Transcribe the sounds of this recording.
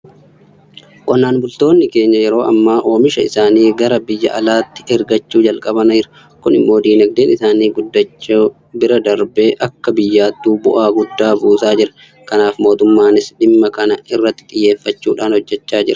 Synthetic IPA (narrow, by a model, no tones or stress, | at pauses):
kʼɐnːaːnbʊlt̪o̞ːnːɪke̞ːɲːɐjɛɾo̞ːʔɐmːaːʔo̞ːmɪʃɐɪsaːniːɡɐɾɐbɪjːɐ̰ʔɐlaːt̪ːɪ̥ɛɾɡɐt͡ʃːuːd͡ʒɐlkʼɐbɐnɐd͡ʒɪɾɐ̥ | kʊnɪmːo̞ːd̪iːnɐɡ̚d̪eːnɪsaːniːɡʊd̪ːɐt͡ʃːo | bɪɾɐd̪ɐɾbe̞ːʔɐkːɐbɪjːaːt̪ːuːbʊ̰ʔaːɡʊd̪ːaːbuːsaːd͡ʒɪɾɐ | kɐnaːfmo̞ːt̪ʊmːaːnɪsᶑɪmːɐkɐnɐɪrːɐt̪ːɪ̥t̪ʼɪjːe̞ːfːɐt͡ʃːuːᶑaːnhɔd͡ʒːɛt͡ʃːaːd͡ʒɪɾɐ̥